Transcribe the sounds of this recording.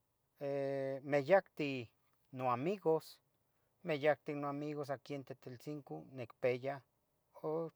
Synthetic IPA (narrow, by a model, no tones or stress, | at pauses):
emejakt̪i | noamiɡos | mejak̚t̪inoamiɣos̬akient̪et̪elt͡siŋkonekpeja | o